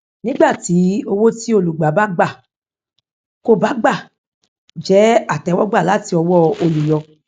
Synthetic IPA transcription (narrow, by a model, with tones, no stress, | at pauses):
nĩ˦ɡ͡ba˦˨ti˨˦o˧wo˦ti˦o˧lu˨ɡ͡ba˨˦ba˦ɡ͡ba˦˨ | ko˦ba˨˦ɡ͡ba˦˨ | d͡ʒɛ˨˦a˦˨tɛ˨˦wɔ˦ɡ͡ba˦˨la˨˦ti˧ɔ˧wɔ˦o˧lu˨jɔ˧